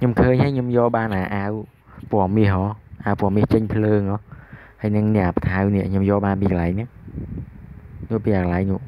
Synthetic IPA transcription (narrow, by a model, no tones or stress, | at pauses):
kʰɲomkʰəːɲhaəkɲomjoːlɓaːnʔaːʔaːw | poəmiəhʔɔːʔaːwpŏəmːiəht͡ɕəɲpʰləːŋʔɔː | həːjnɨŋnɛ̆əʔaːpə̥t̪ʰawniəʔʰɲomjoːlɓaːnpiːkəlaɛjŋnɨŋ | nuəʔpiːʔaːkəlajŋnuəʔ